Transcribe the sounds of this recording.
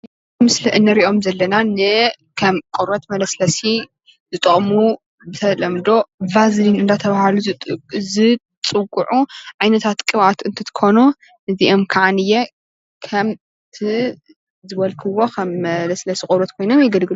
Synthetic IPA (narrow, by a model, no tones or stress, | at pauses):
mɨsliʔɨnːɨɾiʔo̞mzɐlːɐnanɨ | kʰɐmkʼoɾot̪mɐlɐslɐsi | zɨt̪ʼɨχʼmu | bɨt̪ʰɐlɐmd̪o̞vazlinɨnd̪at̪ʰɐβahluzɨ | t͡sʼɨkʼːuʕuʕajnɐt̪ʰat̪kʼɨβat̪ɨnt̪ʰɨt̪ʰɨ̥kʰo̞nu | ʔɨziʔo̞mkʰaʕanɨjːɛ | kʰɐm | t̪ʰi | zɨβɐlkʰɨwo̞kʰɐmːɐlɐslɐsikʼoɾot̪kʰo̞jno̞mjɛɡɐlɡɨlu